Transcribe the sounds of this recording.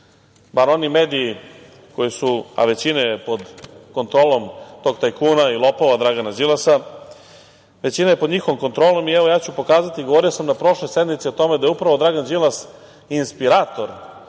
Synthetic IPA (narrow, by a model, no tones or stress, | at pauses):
baɾo̞nimeːd̪ii | ko̞jisua̰ʋe̞t͡ɕinajepo̞d̪ko̞nt̪ɾoːlˠo̞mt̪o̞ːɡ̚t̪ajkuːnailˠo̞poʋad̪ɾaɡanad͡ʒilasa | ʋe̞t͡ɕinajepo̞d̪ɲixoʋimko̞nt̪ɾo̞ːlo̞miɛʋo̞jaːt͡ɕupo̞kaːzat̪iɡoʋo̞ɾijosamnapɾo̞ʃlo̞jsed̪mit̪siot̪o̞med̪ajupɾaʋo̞d̪ɾaɡand͡ʒilas | inspiɾaːt̪o̞ɾ